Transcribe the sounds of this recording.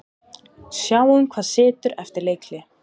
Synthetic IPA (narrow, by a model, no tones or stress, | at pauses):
sjaːwʏmkʰvaːðsɪːt̪ʏɾɛ̰ft̪ɪɾleːjklɪ